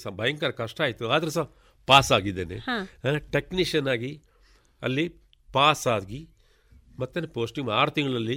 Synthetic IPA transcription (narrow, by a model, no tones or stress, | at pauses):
sabɐjŋkaːɾkɐʂʈaːjit̪ːuaːd̪ɐɾes̬a | paːsaːɡid̪eːneʈekniʂɐnːaːɡi | ɐ̰lːi | paːsaːɡi | mɐt̪ːɐnepoːsʈiŋmaːɾt̪iŋɡɐɭɐlːi